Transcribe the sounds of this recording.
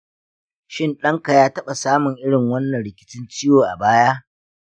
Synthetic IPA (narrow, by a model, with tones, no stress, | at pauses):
ʃɪ˦nɗɐ˦ŋka˨jaː˦tɐ˦ɓa˨saː˦mʊ˨ŋʔɪ˦ɽɪ˨ŋwɐ˦nːɐ˨nɽɪ˨kʲɪ̥˦t͡ʃɪ˦nt͡ʃɪ˦joː˨ʔa̰˨baː˦jaː˦